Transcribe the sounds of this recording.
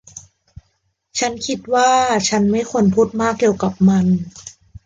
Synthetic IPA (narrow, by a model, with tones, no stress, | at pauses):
t͡ɕʰa˦˥nkʰi˧˥t̪̚waː˥˩t͡ɕʰa˦˥nma˥˩jkʰo˧npʰuː˥˩t̪̚maː˥˩k̚ːi˨˩əwka˨˩p̚ma˧n